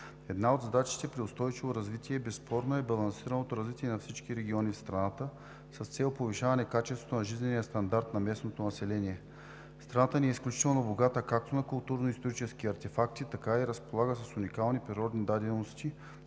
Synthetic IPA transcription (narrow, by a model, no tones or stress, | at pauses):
ɛd̪naod̪zd̪at͡ʃi̥t̪ɛpɾiʊst̪ɔjt͡ʃivoɾɐzvit̪ʲiɛbɛsːpʰɔɾnoɛbɐlˠɐnsiɾɐnot̪oɾɐzvit̪ʲiɛnɐfsit͡ʃkiɾɛɡ̟ʲiɔnifst̪ɾɐnat̪ə | sɐst̪sɛlˠopoviʃavɐnɛkat͡ʃɛst̪vot̪onɐʒiznʲɛniəst̪ɐnd̪aɾt̪nɐmɛsnot̪onɐsɛlɛniɛ | fst̪ɾɐnat̪əniɛisklʲut͡ʃit̪ɛlˠnoboɡat̪əkak̚t̪onɐkʊlˠt̪uɾnoist̪oɾit͡ʃɛskiɐɾt̪ɛfakt̪it̪ɐkaiɾəspolˠaɡəsɐsunikalˠnipɾiɾɔd̪nid̪ad̪ɛnnost̪ʲi